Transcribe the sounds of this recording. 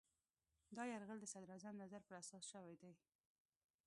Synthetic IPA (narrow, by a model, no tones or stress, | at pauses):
d̪ɑjaɾɣəld̪əsad̪ɾazamnazaɾpəɾasɑsʃəwajd̪aj